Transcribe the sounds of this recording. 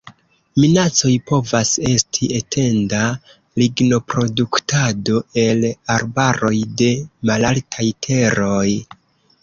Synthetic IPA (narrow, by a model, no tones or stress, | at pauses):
minat͡so̞jpo̞vase̞stʰie̞tʰe̞nda | liɡno̞pɾo̞duktʰado̞e̞laɾbaɾo̞jde̞malaltʰajtʰe̞ɾo̞j